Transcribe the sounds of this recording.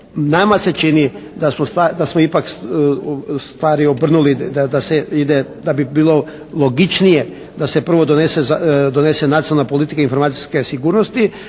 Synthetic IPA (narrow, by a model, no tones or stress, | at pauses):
namase̞t͡ʃinid̪asmost̪ad̪asmoipak | st̪ʋaːɾiobr̩nulid̪ad̪aseid̪ed̪abibiːlˠo̞ | lˠo̞ɡit͡ʃnije̞ | d̪ase̞pr̩ʋo̞d̪onesezad̪one̞se̞nat̪ionalnapolit̪ikainfo̞ɾmaːt̪si̥ske̞siɡuːɾnost̪i